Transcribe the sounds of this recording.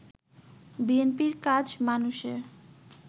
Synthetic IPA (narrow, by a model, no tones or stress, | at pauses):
bienpiɾkad͡ʑmanuʃeɾ